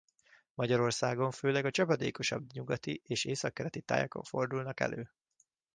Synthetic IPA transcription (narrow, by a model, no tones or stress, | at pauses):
mɒɟɒɾo̞rsaːɡo̞ɱføːlɛɡɒt͡ʃɒpɒd̪ḛːko̞ʃɒbɲuɡɒt̪iʔeːʃeːsɒkːɛɾɛt̪it̪a̰ːjɒko̞̰ɱfo̞rd̪ulnɒkɛ̰lʔøː